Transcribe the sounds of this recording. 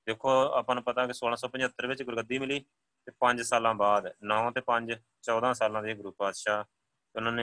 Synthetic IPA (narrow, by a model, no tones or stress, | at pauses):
d̪eːkʰːoːaːpãːnũːpət̪aːkɪsoːlãːsɔːpə̃ɲd͡ʒət̪ːəɾʋɪt͡ʃɡʊɾɡəd̪iːmɪliː | t̪eːpəɲd͡ʒsaːlãːbaːd̪nɔ̃ːt̪eːpə̃ɲd͡ʒ | t͡ʃɔːd̪ãːsaːlãːd̪iːɡɾuːpaːd̪ʃaː | ʊnãːneː